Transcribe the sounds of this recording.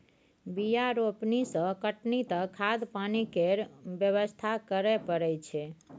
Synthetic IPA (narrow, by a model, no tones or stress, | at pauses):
bijaɾopnisə̃kəʈnit̪ə̃kʰad̪panikeɾbjəβəst̪ʰakəɾɛpəɾɛjt͡ʃʰɛ